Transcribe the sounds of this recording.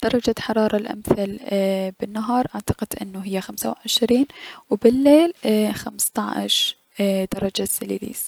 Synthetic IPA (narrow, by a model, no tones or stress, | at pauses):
d̪̥ɑɾˤɑd͡ʒaħɑɾˤɑːɾˤɑlʔa̰mθalbɪnːaɦɑːɾˤʔaʕt̪ɑqɪd̪ʔɪ̰nːʊɦɪjːaxamsa̰wʕɪʃɾiːnwbɪlːeːlxamst̪ɑʕ̰ʃ | d̪ɑɾˤɑd͡ʒasɪlilḭːs